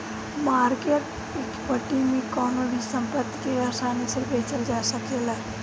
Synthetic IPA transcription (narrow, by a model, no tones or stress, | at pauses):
maːɾkeʈ | ekpəʈimẽkɔːnobʱisə̃mpət̪ːkeasaːnisebʱeːt͡ʃəld͡ʒaːsəkela